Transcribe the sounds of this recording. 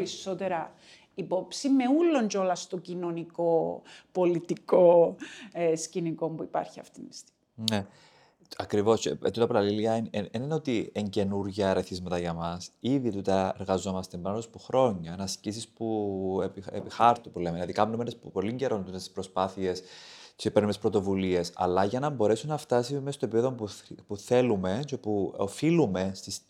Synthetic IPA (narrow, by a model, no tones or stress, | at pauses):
ɾiso̞t̪eɾɐ | ipo̞psimeulːo̞nd͡ʒolɐst̪ocino̞niko̞polit̪iko̞ | sciniko̞mbuipɐ̰ɾçiɐ̰ft̪inist̪i | ne̞ | ɐkɾivo̞scpet̪ut̪ɐpɐɾɐliliɐinenenot̪ieɲce̞nuɾʝɐeɾeθizmɐt̪ɐʝɐmɐsiðit̪ut̪ɐeɾɣɐzo̞mɐst̪embɐnnspuxɾo̞ɲːɐnɐscis̬ispuepiḛpixɐɾt̪upule̞melɐðikɐmnumenespo̞liɲɟe̞ɾo̞nt̪ut̪est̪ispɾo̞spɐθie̞ssepenumespɾo̞t̪o̞vulie̞sɐ̰lɐʝɐnɐmbo̞ɾe̞sunɐft̪ɐsimest̪oe̞pipeðo̞pupuθe̞lume̞cepuofilume̞st̪is